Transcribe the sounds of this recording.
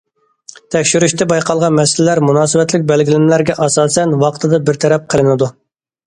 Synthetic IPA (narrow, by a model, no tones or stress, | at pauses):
t̪ʰɛkʲʃyɾyʃt̪ʰɛbɑjqʰɑlˠʁɑnmɛsɪlɪlæɾmunɑːsɨbɛt̪lɪk̚ʲbɛlɡʲilɪmlæɾɡʲɛʔɑsɑːsɛnwɑqə̥t̪ʰɨd̪ɑbɪɾt̪ʰɛɾɛp̚qʰəlˠɪnɪd̪u